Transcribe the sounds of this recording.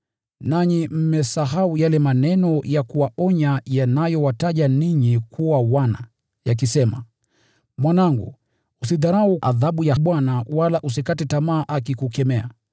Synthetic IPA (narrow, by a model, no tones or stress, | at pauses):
naɲim̩mɛsaɦaujalɛmanɛnɔjakuwaʔɔɲajanajɔwataʄaniɲikʰuwawana | jak̬isɛma̰ | mwanaŋɡṵ | usiðaɾauʔaðaɓujaɓwanawalaʔus̬ikatɛtamaːʔakikukɛmɛa̰